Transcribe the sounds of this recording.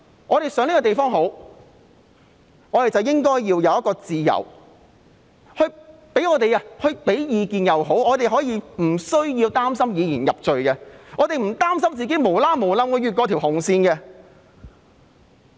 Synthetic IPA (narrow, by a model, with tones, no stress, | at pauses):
ŋʔɔː˨˧ɾe˨jsœː˨˥ŋli˥kɔː˧t̪e˨jfɔː˥ŋho˨˥w | ŋɔː˨˧t̪e˨˩jt͡sɐ˨wjɪ˥ŋkɔː˥jːiː˧wjɐ˨wjɐ˥kɔː˧t͡siː˨˧jɐ̰˨˩w | hɵ˧ɥ | pe˨˥jŋɔː˨˧t̪e˨ja˧hɵ˧ɥpe˨˥jjiː˨˧kiː˨njɐ˨wɦo˨˥wɔː˨˧t̪e˨jɦɔː˨˥jiː˧m̩˨˩sɵ˥ɥjiː˧wt̪aː˥msɐ˥mjiː˨˧jiː˨˩njɐ˨p̚t͡ʃɵ˨ɥkɛ˧ŋɔː˨˧t̪e˨jm̩˨˩t̪aː˥msɐ˥mt͡siː˨˩ke˨˥jmo˨˩wlaː˥mo˨˩wlaː˧mkɔ˧jɥyː˨t̚kɔ˧t̪ʰi˨˩whʊ˨˩ŋsiː˧nɡɛ˧